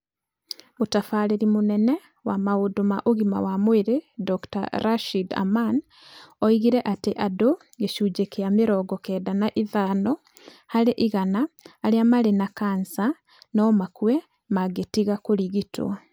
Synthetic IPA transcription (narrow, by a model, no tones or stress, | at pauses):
otafaːɾeɾimonɛnɛ | wamaodoma̰ʔoɣima̰wamweɾedɔkta̰ɾaʃida̰man | ɔiɣiɾɛʔateʔado | ɡeʃuːd͡ʒekeameɾɔːɡɔkɛːdanaʔiðaːnɔ | haɾeʔiɣanaːɾeamaɾenakansa | nɔmakuɛ | maɡetiɣakoɾiɣitʰo̰